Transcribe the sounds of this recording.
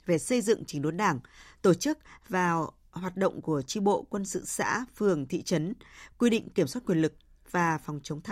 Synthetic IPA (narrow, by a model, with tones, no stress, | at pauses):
ve˨˩sə˧jzɨ̰˧˨ŋt͡ɕï˨˦ŋɗo˨˦nɗaː˧˩ŋt̪o˧˩t͡ɕɨ˦˥k̚vaː˨˩w | hwaː˨˩t̚ɗo̰˧˨wŋ͡mku˧˩ət͡ɕi˧ɓo̰˧˨kwə˧nsɨ̰˧˨sa̰ː˧˥fɨ˨˩əŋt̪ʰḭ˧˨t͡ɕə˨˦nkwi˧ɗḭ̈˧˨ŋ̟ki˧˩əmswa˦˥t̚kwi˨˩ənlɨ˨˩k̚ | vaː˨˩fɔ˨˩wŋ͡mt͡ɕə˨˦ŋ͡mt̪ʰa˧˦